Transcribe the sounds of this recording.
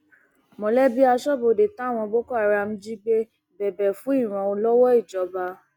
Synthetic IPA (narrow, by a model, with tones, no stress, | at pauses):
mɔ̃˨˦lɛ˦bi˦a˧ʃɔ˦bo˨de˨ta˨˦˨w̃ɔ̃˧bo˦ko˦a˦˧˨ɾa˧m̩̃˦d͡ʒi˦ɡ͡be˦ | bɛ˨bɛ˨fũ˨˦i˦˨ɾ̃ã˨˧o˧lɔ˦wɔ˦i˦˨d͡ʒɔ˨˦ba˧